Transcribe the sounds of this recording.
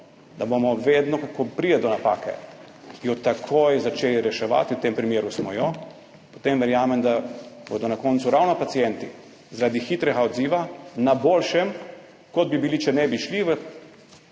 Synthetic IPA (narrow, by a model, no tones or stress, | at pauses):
d̪abomɔʋeːd̪nɔkakopɾid̪ɛd̪ɔnapa̰ːkɛ̰ | jɔt̪akʰojzat͡ʃeːliɾɛʃɛʋa̰t̪iwt̪empɾimjeːɾusmɔjɔ | po̥t̪emʋɛɾjaːmɛmd̪abo̰d̪ɔnakɔnt̪suɾawnɔpat̪sijɛnt̪i | zaɾad̪ixiːt̪ɾɛɡaɔd̪ziːʋanabolʃɛm | kɔd̪̚bibilit͡ʃɛnɛbiʃliʋə